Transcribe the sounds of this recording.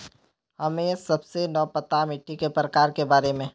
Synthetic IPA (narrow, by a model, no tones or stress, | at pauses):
hɐmẽsɐbsenɔːpət̪amɪʈʰːikepɾəkaːɾkebaːɾemẽː